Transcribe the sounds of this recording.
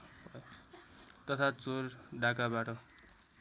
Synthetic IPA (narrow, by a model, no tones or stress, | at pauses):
t̪ʌt̪ʰat͡sorɖakabaʈʌ